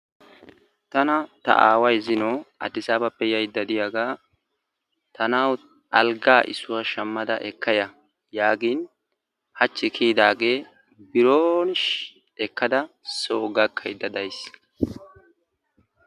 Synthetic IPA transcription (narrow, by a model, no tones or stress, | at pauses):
t̪ɐnɐt̪ɐ̰ʔaːwɐjzɪnoːɐ̰d̪ɪsaːbɐpːɛjɐjd̪ːɐd̪ɪjaɡaː | t̪ɐnaw | ʔɐlɡaːʔɪ̰sʊwɐʃɐmːɐd̪ɐʔɛkːɐjɐ | jaːɡiːn | hɐt͡ʃːɪkʰiːd̪aːɡeː | bɪɾoːnʃ | ɛkːɐd̪ɐ | soːɡɐkʰːɐjd̪ːɐd̪ɐjs